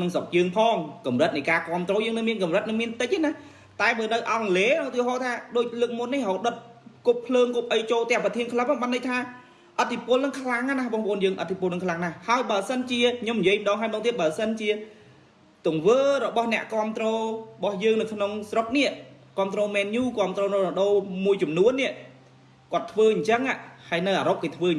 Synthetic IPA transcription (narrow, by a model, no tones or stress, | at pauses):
nɨŋsop̚jəːŋpʰɑːŋkɑmrət̪̚nəjkaːkŏəmt̪rɔːjəːŋnɨŋmiənkɑmrət̪̚nɨŋmiənt̪ɨc̚ʔanah | t̪aɛɓəːnɨwʔɑŋleːnɔŋt̪iəɦoːt̪ʰaːɗoːc̚ləːk̚munːihɦoːɗət̪̚kuppʰləːŋkup̚ʔəjt͡ɕoːlt̪ɛ̆əŋprɑt̪ʰiənkʰləmpʰːɓaːnɗəc̚t̪ʰaː | ʔət̪ʰːipʊ̆əlnɨŋkʰlaŋanapŏəŋpə̰̆ʔoːnjəːŋʔət̪ʰːipʊəlnɨŋkʰlaŋnahhaəjɓaəsənt͡ɕiəkʰɲomnijiəjmə̆ɗɑːŋɦaəjmɔːk̚t̪iət̪̚ɓaːsənt͡ɕiə | t̪ʊŋʋəːɾɔɓɑhnɛ̆əʔkŏəmt̪rɔːɓɑhjəːŋnɨwkʰnoŋsrok̚nɛəʔ | kŏəmt̪rɔːmɛːnjuːkŏəmt̪rɔːnɔrɔɗoːmuəjt͡ɕɑmnuənːɛ̆əʔ | kŏət̪ʰːʋəːɲt͡ɕəŋaːʔhaəjnɨwʔaːɾop̚keːt̪ʰʋəː